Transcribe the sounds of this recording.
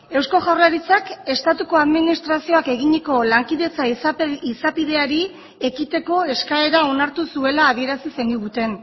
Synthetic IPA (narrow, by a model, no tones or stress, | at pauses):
e̞wsko̞ʝawraɾit͡sake̞st̪at̪uko̞aðminist̪ɾasio̞ake̞ɣ̞iɲeko̞laŋkiðe̞t͡saiisapið̞e̞aɾi | e̞kit̪e̞ko̞e̞skae̞ɾao̞naɾt̪usue̞laːðie̞ɾasisend̪uɣut̪e̞n